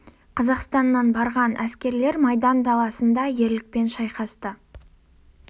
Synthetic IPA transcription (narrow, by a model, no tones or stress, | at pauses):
qʰɑzɑqst̪ɑnːɑnbɑɾʁɑnʔæskʲe̞ɾle̞ɾmɑjd̪ɑnd̪ɑlˠɑsənd̪ɑje̞ɾlɪk̚pe̞nʃɑjqɑst̪ə